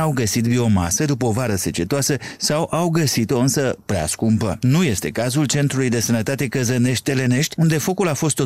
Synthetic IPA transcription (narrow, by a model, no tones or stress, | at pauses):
awɡəsit̪bio̞ma̰səd̪upəovaɾəse̞t͡ʃe̞t̪oasəsawʔawɡəsit̪o̞ɨnsəpɾea̰skumpənuje̞st̪e̞kazult͡ʃe̞nt̪ɾulujd̪e̞sənət̪at̪e̞kəzəne̞ʃt̪̚ʲt̪e̞le̞ne̞ʃt̪ʲund̪e̞fo̞kulafo̞st̪o